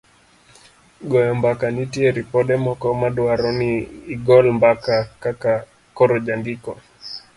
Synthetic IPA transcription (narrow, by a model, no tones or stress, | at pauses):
ɡɔjɔmbakanitiɛɾipɔɗɛmɔkɔmaɗuaɾɔniːɡɔlmbakakaka | kɔɾɔʄaŋɡikɔ